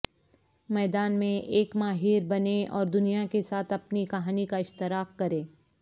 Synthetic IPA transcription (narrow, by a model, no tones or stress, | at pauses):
mɛːd̪aːnmẽʔeːkmaːɦiːɾbɐneɔːɾd̪ʊnijakesaːt̪ʰɐpnikɐɦaːnikaɪʃt̪ɪɾaːqkɐɾẽː